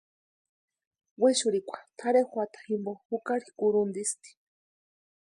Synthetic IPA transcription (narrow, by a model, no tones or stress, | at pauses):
weʃuɾikʷʰḁt̪ʰaɾexʷwat̪ḁhimbohukaɾikuɾund̪ist̪i̥